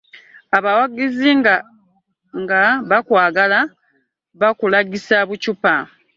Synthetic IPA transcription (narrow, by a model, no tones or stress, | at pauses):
aβawaɡiziŋa | ŋɡaβakwaːɡala | βakulaɡisaβucupa